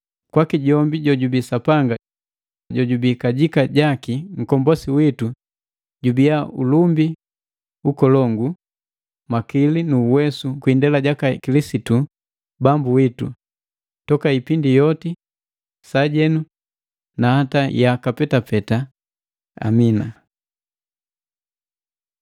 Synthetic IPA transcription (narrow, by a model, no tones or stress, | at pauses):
kwakiɟɔmbiɟɔɟubisapaŋɡa | ɟɔɟubikaɟikaɟakiŋ̩kɔmbɔsiwitu | ɟubijaulumbi | ukɔlɔŋɡu | makilinuːwɛsukwindɛlaɟakakilisitu | bambuwitṵ | tɔkaipindijɔti | saɟɛnu | nahatajakapɛtapɛta | a̰mina